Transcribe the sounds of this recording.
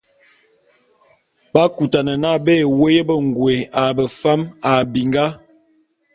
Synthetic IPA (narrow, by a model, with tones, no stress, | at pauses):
ba˦ku˨ta˨nə˨na˦be˦˨we˦jə˦bə˦˨ŋ˨ɡwe˨a˨bə˨fa˦ma˨bi˨ŋɡa˦